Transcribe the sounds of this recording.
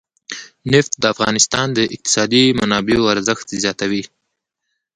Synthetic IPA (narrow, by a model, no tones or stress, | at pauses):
nɪft̪̚d̪əafɣɑ̰nɪst̪ɑnd̪əʔɪq̚t̪ɪ̥sɑd̪imanɑbeoaɾzəxt̪zjɑt̪awi